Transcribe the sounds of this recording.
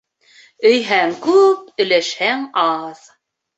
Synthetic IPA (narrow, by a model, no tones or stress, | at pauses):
ɵ̆jɦæŋkʉp̚ɵ̆jlæʃhæŋɑð